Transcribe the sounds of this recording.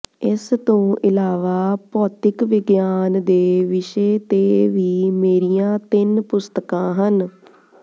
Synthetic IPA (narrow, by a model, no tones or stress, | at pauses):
ɪst̪õːʔɪlaːʋaːpɔːt̪ɪkʋɪɡjaːnd̪eːʋɪʃeːt̪eːʋiːmeːɾijãːt̪ɪnpʊst̪əkãːɦən